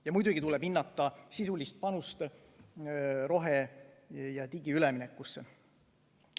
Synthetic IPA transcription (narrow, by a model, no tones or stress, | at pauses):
jɑmujd̪uɡ̥it̪ulɛb̥inːɑt̪ːˑɑsisulist̪̚pɑnust̪ | ɾo̞ɦe | jɑt̪iɡiylɛminekːˑusːe